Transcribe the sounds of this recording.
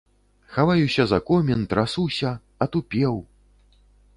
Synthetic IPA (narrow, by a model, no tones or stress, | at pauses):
xavajusʲɐzɐkɔmʲɛnt̪ɾasuwsʲɐ | ɐt̪upʲɛw